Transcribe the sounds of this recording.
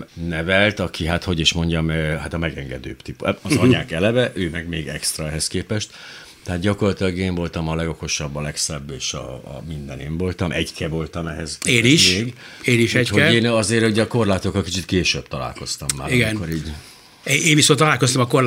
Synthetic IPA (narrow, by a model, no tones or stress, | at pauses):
nɛvɛlt̪ɒkʰiɦat̪ho̞ɟiʃmo̞ɲɟɒmhat̪ɒmɛɡɛŋɡɛd̪ø̰ːpt̪ipɒzɒɲaːkɛlɛvɛʔøːmɛɡmeːɡɛkst̪rɒɛɦɛskeːpɛʃt̪ | t̪ɛɦaːd̪̚ɟɒko̞rlɒt̪ilɒɡeːɱvo̞lt̪ɒmɒlɛɡo̞ko̞ʃɒbːɒlɛksɛbːeːʃɒ̰mind̪ɛneːɱvo̞lt̪ɒmʔɛɟkʰɛvo̞lt̪ɒmɛɦɛzkeːniʃeːɡ | eːniʃɛchoɛeːnɒzeːɾuɟɛɒko̞rlaːt̪okːɒlkit͡ʃit̪keːʃøbt̪ɒla̰ːlko̞st̪ɒmːaːiɡɛnkːoɾiːɟ | eeːɱvisont̪ɒlaːlkost̪ɒmɒkor